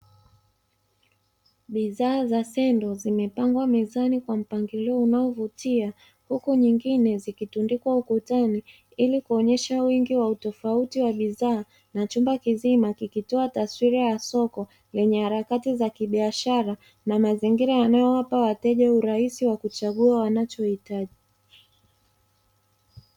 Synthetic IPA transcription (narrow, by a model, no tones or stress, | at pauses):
ɓiðaːzasɛndɔzimɛpaŋɡwamɛzanikwam̩paŋɡiliɔunaɔvutia | hukuɲiŋɡinɛzikitundikwaukutani | ilikuɔɲɛʃawiŋɡiwautɔfautiwaɓiðaː | nat͡ʃumbakizimakikitɔataswiɾajasɔkɔ | lɛɲɛhaɾakatizakiɓiaʃaɾa | namaziŋɡiɾajanajɔwapawatɛʄauɾaisiwakut͡ʃaɠuawanat͡ʃɔhitaʄi